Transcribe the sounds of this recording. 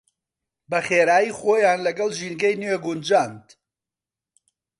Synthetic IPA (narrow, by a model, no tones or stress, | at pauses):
bɐχeːɾaːjiːχoːjaːnlɐɡɐlʒinɡɐjnweːɡʊnd͡ʒaːnd̪